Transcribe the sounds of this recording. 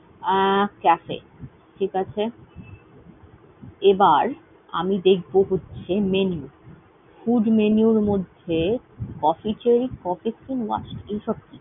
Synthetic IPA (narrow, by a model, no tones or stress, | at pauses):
kɛfḛ | ʈʰikat͡ɕʰe | ebaɾ | a̰mid̪ek̚ʰboɦotːɕʰemenju | fuɖmeniuɾmod̪ʱːe | kɔfit͡ɕeɾikɔfisinwa̰sʈejʃɔb̚ki